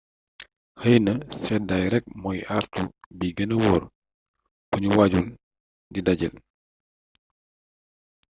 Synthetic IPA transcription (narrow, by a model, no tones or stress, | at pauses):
həjnəsɛdajɾɛk̚mɔjartubiɡənəwɔːr | buɲuwaɟul | didɐɟə̰l